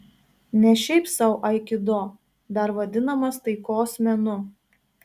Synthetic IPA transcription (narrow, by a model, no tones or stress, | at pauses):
nʲɛʃʲɛɪpsɐʊʔɐɪkʲɪd̪oː | d̪ɐɾʋɐd̪ʲɪnɐmɐst̪ɐɪkoːsmʲɛnʊ